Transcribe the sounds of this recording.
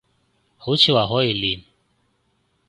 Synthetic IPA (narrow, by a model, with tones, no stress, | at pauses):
hʊ˨˦t͡ʃʰi˦wa˨ɦɔ˦i˨li˨n